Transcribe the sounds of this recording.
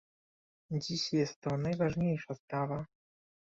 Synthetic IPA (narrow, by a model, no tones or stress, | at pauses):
d͡ʑiɕjɛst̪ːɔnajvaʐɲejʂaspɾava